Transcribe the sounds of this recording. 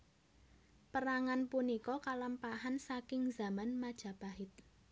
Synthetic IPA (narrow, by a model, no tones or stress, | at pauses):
pəɾaŋanpunikɔkaləmpaɦansakɪŋza̤manmad̥ʒ̥a̤b̥aɦɪt̪̚